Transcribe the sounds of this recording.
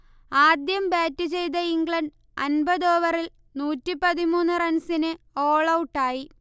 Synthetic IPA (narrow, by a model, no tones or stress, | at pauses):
aːd̪jɐmbaːtːut͡ɕe̞jt̪̬ɐiŋɡɭɐɳɖ̚ | ɐ̰nbɐðoːʋɐril | nuːtːipɐðimuːnːurɐnsinɨ | oːɭɐwuʈːaːji